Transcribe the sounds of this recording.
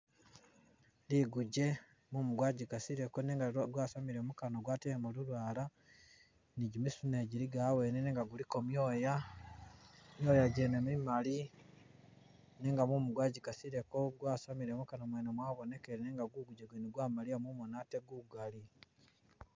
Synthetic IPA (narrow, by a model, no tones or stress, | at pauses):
liːɡuɟe̞ | mumuɡwaːɟikasiɾekoneŋɡaɡwasamiɾemukanoɡwateemuɾulwaːla | niɟimisuneɟiɾiɡaweːneneːŋɡaɡulikomjoːja | mjoːjaɟenemimali | neːŋɡamumuɡwaːɟikasiɾe̞koɡwaːsamiɾemukanomwenemwaβone̞keɾeneːŋɡaɡuɡuɟeɡweniɡwaːmaliamumonateɡuɡali